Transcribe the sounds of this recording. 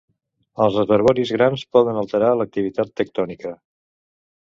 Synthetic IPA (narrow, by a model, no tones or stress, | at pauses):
əlˠzrəzəɾβɔɾizɣɾanspɔðənəlˠt̪əɾalək̚t̪iβit̪at̪ːək̚t̪ɔnikə